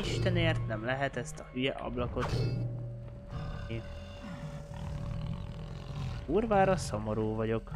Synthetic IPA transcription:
iʃt̪ɛneːrt̪nɛmlɛɦɛt̪ɛst̪ɒhyjɛʔɒ̰blɒko̞t̪ | i | uːrvaːɾɒso̞mo̞ɾuːvɒɟo̞k

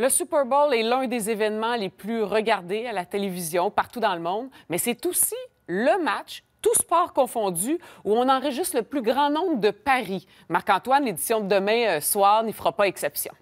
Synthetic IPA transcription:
ləsypɛʁbolɛlœ̃d̪ezevɛnmɑ̃leplyʁəɡaʁd̪ealat̪elevizjɔ̃paʁt̪ud̪ɑ̃ləmɔ̃d̪mɛsɛt̪osi | ləmat͡ʃt̪uspɑːʁkɔ̃fɔ̃d͡z̪yuɔ̃nɑ̃ʁəʒɪst̪ləplyɡʁɑ̃nɔ̃ʊbʁd̪əpaʁi | maʁkɑ̃t̪wanled̪i̥sjɔ̃d̪əd̪əmɛ̃swɑːʁnifʁapaɛksɛpsjɔ̰̃

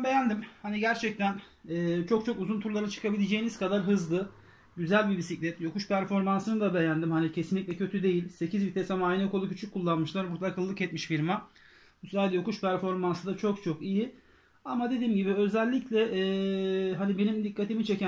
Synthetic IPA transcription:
be̞jænd̪imhaniɟæɾt͡ʃʰɛc̚t̪ʰæn | ɛːt͡ʃʰo̞k̚t͡ʃʰo̞kuzunt̪ʰuɾlˠaɾat͡ʃʰɯ̥kʰabilʲed͡ʒe̞jiniz̥kʰad̪aɾɦɯzlˠɯ | ɟyzælʲbibisicʲlʲɛt̪jo̞kuʃpʰæɾfo̞ɾmansɯnɯd̪abe̞jænd̪imhanicʰe̞sinlʲic̚ʲlʲɛcʰø̞t̪ʰyd̪e̞jilʲse̞cʰizbit̪ʰesamaːjnɛko̞lˠucʰyt͡ʃʰykʰːulˠːanmɯʃlˠaɾbuɾt̪akʰɯlˠːɯkɛt̪miʃfiɾma | mslʲaːd̪ɛjo̞kuʃpæɾfo̞ɾmansɯd̪at͡ʃʰo̞k̚t͡ʃʰo̞kiji | amad̪ed̪iːmɟibiø̞zælʲːiclʲɛʔːɦanibe̞nimd̪ikːat̪ʰimit͡ʃʰe̞cæ

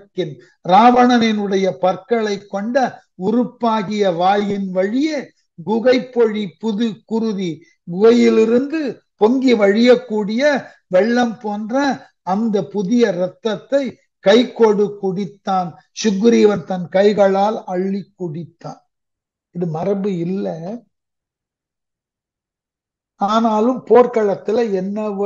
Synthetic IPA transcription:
kːɪn | ɾaːʋɐnɐnɪnɯɽɐjɐpɐɾkɐɭɐɪkːɔɳɖɐ | ʊɾʊpːaːɣɪjɐʋaːjɪnʋɐɻɪje | ɡʊɣɐɪpːɔɻipʊðɯkːʊɾɯði | ɡʊɣɐjɪlɪɾɯnd̪ɯ | pɔŋɡiʋɐɻɪjɐkːuːɽɪjɐ | ʋɛɭːɐmpoːndrɐː | nd̪ɐpʊðɪjɐɾɐt̪ːɐt̪ːɐɪ | kɐɪkːoːɽɯkːʊɽɪt̪ːaːn | sʊɣɯɾiʋɐnt̪ɐnkɐɪɣɐɭaːlɐɭːɪkːʊɽɪt̪ːa̰ːn | ɪðɯmɐrɐbɯɪlːɐ | aːnaːlɯmpoːɾkɐɭɐt̪ːɪlɐɛnːɐʋ

